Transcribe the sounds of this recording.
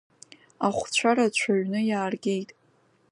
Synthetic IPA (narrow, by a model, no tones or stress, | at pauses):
aχʷt͡ɕʷʰaɾat͡ɕʷʰaɥnɨjaːrɡʲejtʼ